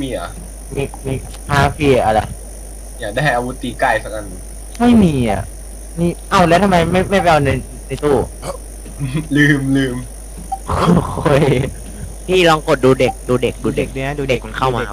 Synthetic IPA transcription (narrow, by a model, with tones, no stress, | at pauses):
miː˧a̰˨˩ | miː˧miː˧˩ | pʰaː˧˥fʰiː˧a˩ʔa˧˩la˧j | jaː˨˩k̚da˥˩jɦa˧jʔa˧wu˦˥t̪iː˧kaː˧˩jsa˦˧k̚a˧n˧˩ | ma˥˩jmiː˧ʔa̰˨˩ʔ | miː˧˥˩ʔa˧˩wlɛ˦˥t̪ʰa˧ma˧jma˥˩jma˥˩jpa˧jʔa˧˩˧na˧j | na˧jt̪uː˧˩˧ | lɯː˧mlɯː˧m | kʰo˧xʰo˧˩j | pʰiː˥˩lɔː˧ŋko˨˩t̪̚duː˧de˨˩k̚duː˧de˨˩k̚duː˧de˨˩k̚ːdde˨˩ka˧nkʰa˥˩˨wmaː˧